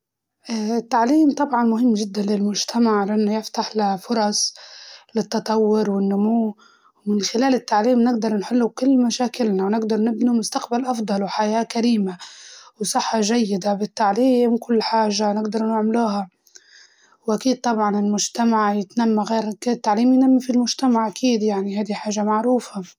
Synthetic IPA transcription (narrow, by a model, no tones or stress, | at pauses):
ʔɪt̪ːaʕliːmt̪ˤɑbʕɑnmʊɦɪmːʒɪd̪ːanlɪlmʊʒt̪ʰamaʕlaʔɪnːʊjɪft̪aħlafʊɾˤɑsˤ | lɪt̪ːɑt̪ˤɑwːʊɾwɪnːʊmuː | wmɪnxɪlaːlɪt̪ːaʕliːmnɪɡd̪ɑɾˤnħʊlːukʊlːmaʃaːkɪlnawnɪɡd̪ɑɾˤnɪbnimʊst̪aqbalʔɑfd̪ˤɑlwħajaːkaɾiːmawsˤɑħːɑʒajːɪd̪abɪt̪ːaʕliːmkʊlːħaːʒanɪɡd̪ɑɾˤnɪʕmluːɦa | wʔakiːd̪̚t̪ˤɑbʕɑnɪlmʊʒt̪amaʕjɪt̪namːaɣeːɾt̪ːaʕliːmjnamːifilmʊʒt̪amaʕʔakʰiːd̪jaʕniɦajd̪iħaːʒamaʕɾuːfa